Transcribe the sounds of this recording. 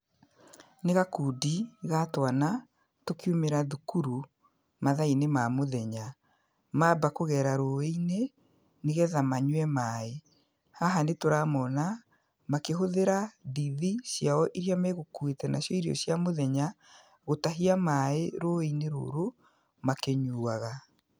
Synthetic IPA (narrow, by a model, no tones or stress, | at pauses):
neɣakuːdiɣatwana | tokiumeɾaðukuɾu | maðainemamoðɛɲa | mabakoɣɛːɾaɾoeine | neɣɛðamaɲwɛmae | haɦanetoɾaːmɔna | makeɦoðeɾadiðisjaɔʔiɾjameɣokuetɛnasjɔiɾjɔ̰ɕjamoðɛɲa | ɣotaɦiamaeɾoeineɾo̰ːɾo | makeɲuaɣa